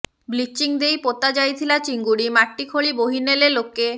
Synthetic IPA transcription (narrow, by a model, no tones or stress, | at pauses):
blit͡ɕːiŋd̪ejpot̪ːad͡ʑajt̪ʰilat͡ɕiŋɡuɽimaʈːikʰoɭiboɦinelelokːe